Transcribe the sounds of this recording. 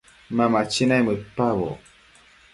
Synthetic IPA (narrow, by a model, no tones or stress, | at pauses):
mamat͡ʃinajməpaβɔ̰